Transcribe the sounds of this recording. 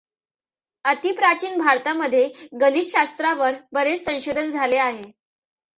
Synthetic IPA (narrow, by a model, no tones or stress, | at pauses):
ət̪ipɾat͡ɕiːnbʱaɾt̪aməd̪ʱːjeɡənisɕast̪ɾaʋəɾbəɾet͡ssə̃w̃ɕod̪ʱənd͡zʱaleaɦe